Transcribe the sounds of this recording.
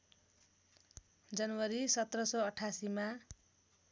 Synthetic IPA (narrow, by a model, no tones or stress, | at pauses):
d͡zʌnwʌɾisʌt̪rʌsʌʌʈʰasima